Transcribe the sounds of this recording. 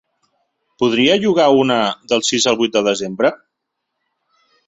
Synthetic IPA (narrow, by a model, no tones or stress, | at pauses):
puðɾiəʒuɣ̞aunəðəlˠsizəlˠβuit̪̚d̪əðəzembɾə